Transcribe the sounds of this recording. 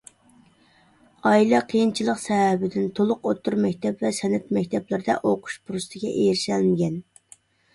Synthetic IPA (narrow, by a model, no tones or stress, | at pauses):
ɑilˠɑqʰejint͡ʃʰilˠəqsɛɦæbɪd̪ɪnt̪ʰolˠʊqot̪ʰːuɾmɛkʲt̪ʰɛpvɛsɛnɛt̪mɛkʲt̪ʰɛplˠɪɾɪd̪ɛ̰ʔoqʰʊ̥ʃpʰuɾust̪ʰɨɡʲɛʔejɾɪʃɛlmɪɡʲɛn